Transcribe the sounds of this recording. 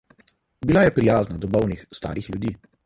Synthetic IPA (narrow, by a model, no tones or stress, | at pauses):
bilajɛpɾijaːznad̪ɔbɔwnixst̪a̰ːɾixljud̪iː